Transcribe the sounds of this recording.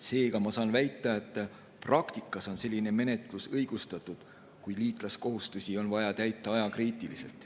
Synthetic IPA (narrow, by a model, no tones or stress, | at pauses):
se̞ːkɑmɑsɑnvæjt̪ːˑɑet̪ːˑ | prɑkt̪ikːˑɑso̞nse̞lʲːine̞me̞ne̞t̪ˑlusɤjɡ̥ust̪ɑt̪ːˑud̪̥ | kujliːt̪ˑlɑsko̞ɦust̪usʲio̞nvɑjɑt̪æjt̪ːˑɑɑjɑkriːt̪ˑilise̞lt̪ˑ